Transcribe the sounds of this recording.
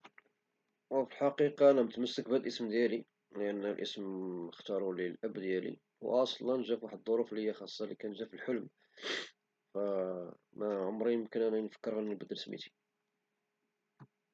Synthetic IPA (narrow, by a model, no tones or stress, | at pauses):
wəfilħɑqiqɑænæmət̪məsːək̚bæd̪lʔəsmd̪jæli | ləʔənːəlʔə̰sməxt̪ɑɾˤuləlʔæbːd̪jælḭ | wʔɑsˤlːɑnʒæfwaħəd̪ːˤoɾuflihəjæxɑsˤːɑlikænʒæfəlħʊlm | fæ | mæʕʊmɾijəmkənʔænænfə̥kːəɾhænːəlbəd̪ɾəsmḭt̪i̥